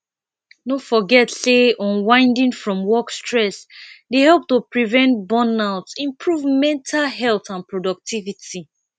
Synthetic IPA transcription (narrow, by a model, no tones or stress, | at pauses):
nofɔɡɛtseɔ̃nwãɪ̃ndĩŋfɹɔ̃mwɔkstɹɛsdehɛlp̚tupɹivɛ̃nt̚bɔ̃naʊtsĩmpʰɹuvmɛ̃ntʰalɦɛlθãnpɹɔdɔk̚tʰivitʰi